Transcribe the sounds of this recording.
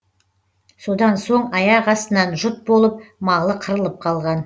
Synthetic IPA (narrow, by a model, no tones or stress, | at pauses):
so̞d̪ɑnso̞ɴɑjɑqɑst̪ənɑnʒʊt̪̚bo̞lˠəp̚mɑʁlˠəqʰəɾəlˠəp̚qʰɑlˠʁɑn